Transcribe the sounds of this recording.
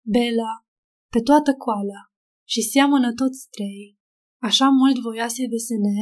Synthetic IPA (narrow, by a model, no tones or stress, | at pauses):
be̞la | pe̞t̪oat̪əkoala | ʃisjamənət̪o̞t̪sʲt̪ɾej | aʃamult̪vo̞jased̪esene